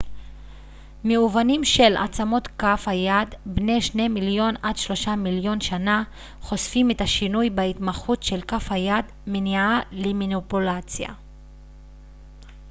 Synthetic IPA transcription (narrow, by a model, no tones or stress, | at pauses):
meuvanimʃe̞la̰t͡samo̞t̪kafhajadbne̞jʃne̞miljo̞nadʃlo̞ʃamiljo̞nʃana | χo̞sfimetaʃinujbait̪maχutʃe̞lkafhajad̪ | menaalemanipulat͡sja̰